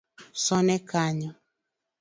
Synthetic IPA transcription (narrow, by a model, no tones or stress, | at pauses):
sɔnɛkaɲɔ